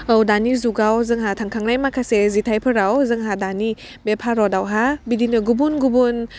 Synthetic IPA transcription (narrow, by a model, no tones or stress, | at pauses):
ɔwdanizuɡawzɯŋɦatʰaŋkʰaŋnajmakʰasezitʰajpʰɯɾawzɯŋɦadani | bepʰaɾɔdawɦabidinɯɡubunɡubun